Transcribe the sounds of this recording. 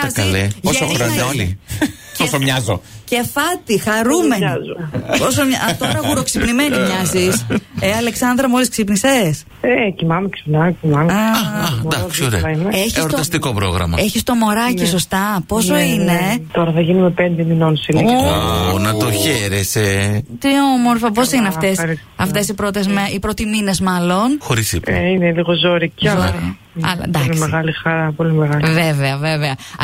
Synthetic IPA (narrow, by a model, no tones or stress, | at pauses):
ezkɐleoɐsɐuɾɐeoli | posomɲɐzoce̞fɐt̪ixɐɾumenzuposomɲɐt̪o̞ɾɐɣuɾo̞ksipnimenimɲɐziseɐle̞ksɐnd̪ɾɐmolisksipnises | ecimɐmeksi̥pnɐmecimɐmeɐɐd̪ɐksioɾeimeeçisoɾɐst̪iko̞pɾo̞̰ɣɾɐ̰mɐ̰eçist̪o̞mo̞ɾɐciso̞st̪ɐpo̞soine̞t̪o̞ɾɐθɐʝinumepend̪emino̞nseli | nɐt̪o̞çeɾeset̪io̞moɾfɐpo̞sineɐft̪esɐɾi | ɐft̪e̞sipɾot̪ezmɐipɾo̞t̪imine̞zmɐlo̞nxo̞ɾisipineliɣozoɾiciɐ | ɐ̰lɐ̰nd̪ɐknessmeɣɐlixɐɾɐpo̞limeɣɐlveveɐveveɐ